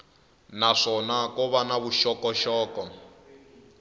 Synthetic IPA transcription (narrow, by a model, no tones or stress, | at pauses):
naʂɔnakɔβanaβuʃɔkɔʃɔːkɔ